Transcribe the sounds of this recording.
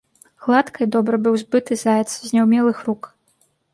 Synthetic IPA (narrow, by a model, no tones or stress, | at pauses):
ɣlˠat̪kʰɐjd̪ɔbɾɐbɨwzbɨt̪ɨzajʲɛt̪szʲnʲɛwmʲɛlˠɨxruk